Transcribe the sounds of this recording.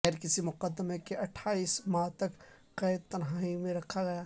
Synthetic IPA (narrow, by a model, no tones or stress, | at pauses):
ɾkɪsimʊqəd̪ːəmekeɐʈʰːaːismaːt̪ɐk | qɛɪd̪̚t̪ɐnɦaːimẽɾɐkʰaɡɐja